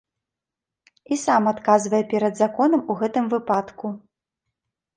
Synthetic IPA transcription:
isamat̪kazvɐjɛpʲɛɾɐd̪zakɔn̪ɐmuɣɛt̪ɨmvɨpat̪ku

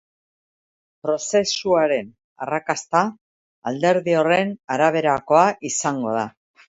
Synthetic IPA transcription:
pɾo̞se̞suaɾe̞n | a̰rakast̪a | ald̪e̞ɾðio̞re̞naɾaβ̞e̞ɾako̞aʔisaŋɡo̞̰ð̞a

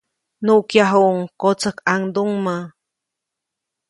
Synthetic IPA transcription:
nuʔkjaɦuŋkot͡səkaŋd̪uŋma

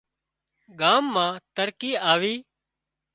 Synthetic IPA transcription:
ɡaːmːãːt̪əɾkiːaːʋiː

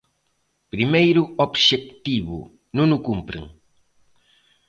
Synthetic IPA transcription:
pɾimejɾuobʃek̚t̪iβṵ | nũnukumpɾḛŋ

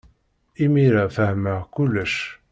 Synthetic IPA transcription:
imiɾæfəhmækʊlːəʃ

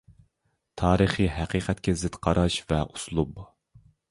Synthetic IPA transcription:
t̪ʰɑːɾɨχiɦæqiːqʰɛt̪̚kʲɛzɪt̪qʰɑɾʔɑʃvɛʔuslˠub

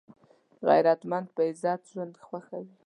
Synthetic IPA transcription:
ɣa̰jɾat̪mand̪̚pəɪzɑt̪ʒwand̪xwaxawi

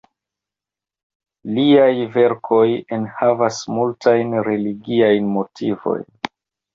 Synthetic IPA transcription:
liajve̞ɾkʰo̞jenhavasmultʰajnɾe̞liɡiajnmo̞tʰivo̞̰jn

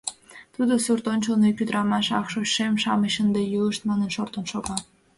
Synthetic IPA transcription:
t̪ud̪osurt̪onʲt͡ɕəlnekʲyd̪ɾɑmɑʃɑkʃoɕːemʃɑ̰məɕənd̪ejuəʃt̪mɑnənʃort̪ənʃoɣɑ

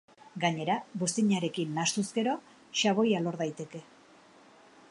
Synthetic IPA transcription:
ɡaɲe̞ɾaβust̪iɲaɾe̞kinːast̪uske̞ɾo̞ | ʃaβo̞jalo̞ɾðajt̪e̞ke̞

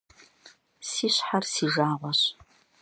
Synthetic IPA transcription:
siːɕħarsiːʒaːʁʷɔɕ

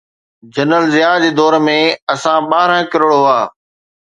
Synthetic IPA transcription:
d͡ʑɐnəlzɪjaːd͡ʑeːd̪ɔːɾmẽɐsãɓaːɦɾə̃kɪɾoɽoaː

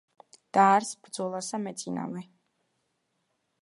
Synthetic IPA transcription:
d̪̥aːɾsb̥ɾd̪zɔlˠasamɛt̪sʼina̰vɛ

